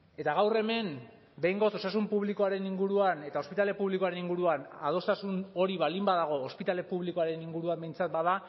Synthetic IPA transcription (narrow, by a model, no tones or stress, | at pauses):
e̞t̪aɣ̞awre̞me̞m | be̞jŋɡo̞so̞sasumpuβliko̞aɾe̞niŋɡuɾuane̞t̪ao̞spit̪ale̞puβliko̞aɾe̞niŋɡuɾuana̰ð̞o̞st̪asuno̞ɾiβalimbaðaɣ̞o̞ːspit̪ale̞puβ̞liko̞aɾe̞niŋɡuɾuambejnt͡sat̪̚baða